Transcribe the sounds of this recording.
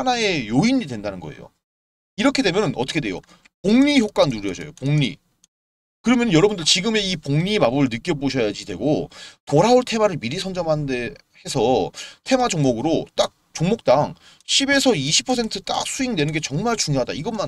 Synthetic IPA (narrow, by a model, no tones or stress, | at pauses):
hanae̞joiɲidwe̞ndanɯnɡʌḛjo̰ | iɾʌkʰedwe̞mjʌnɯnʔʌt͈ʌkʰdwe̞jo̰ | poŋɲiçjok͈anːuɾjʌd͡ʑʌ̰jo̰poŋɲḭ | kɯɾʌmjʌnɯnjʌɾʌbundɯɭt͡ɕiɡɯme̞ipoŋɲimabɯɭnɯk͈jʌboɕʰʌjad͡ʑidwe̞̰ɡopoɾaoɭtʰe̞maɾɯɭmiɾisʰʌnd͡ʑʌmɦannde | he̞sʰʌtʰe̞mad͡ʑoŋmoɡɯɾot͈ak̚t͡ɕoŋmok̚t͈aŋ | ɕʰibe̞sʰʌiɕʰi̥pʰːʌsʰe̞ntʰɯt͈a̰k̚s͈ʰuiŋdwe̞nɯnɡe̞t͡ɕʌŋmaɭt͡ɕuŋjoɦada̰iɡʌnman